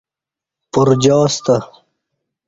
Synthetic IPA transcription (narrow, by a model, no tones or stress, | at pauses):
pʊɾd͡ʑɑːst̪a